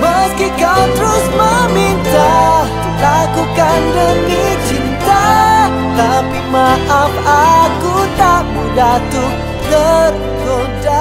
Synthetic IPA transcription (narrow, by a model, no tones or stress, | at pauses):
məskikawt̪əɾʊsməmint̪a | lakukandənit͡ʃint̪a | t̪apimaʔamakut̪aʔbudat̪uk | t̪ər | ko | ta